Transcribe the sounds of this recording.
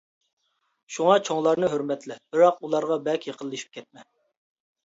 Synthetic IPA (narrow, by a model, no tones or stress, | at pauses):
ʃuŋɑt͡ʃʰoŋlˠɑɾnɨɦøɾmɛt̪lɪb̥ɪɾɑqulˠɑɾʁɑbɛkʲjəqʰəlˠːɨʃi̥p̚kʲʰɛt̪̚mɛ